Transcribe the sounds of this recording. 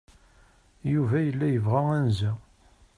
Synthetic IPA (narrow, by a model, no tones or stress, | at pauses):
juvæjəlːæjəvʁæænzæ